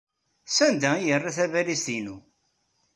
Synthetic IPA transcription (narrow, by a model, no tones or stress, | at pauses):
sænd̪æijərːaθævælist̪inu